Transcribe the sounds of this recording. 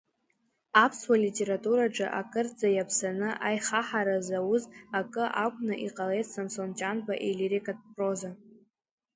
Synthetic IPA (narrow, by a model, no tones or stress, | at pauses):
apʰswalitʼe̞ɾatʼuɾaʈ͡ʂʼɨʔakʼɨrd͡zajapʰsanɨʔajχaħaɾazawʊzakʼɨʔakʷʼnaʔiqʼalejtʰsansontʼanbaʔeliɾekʼat̚pʼroza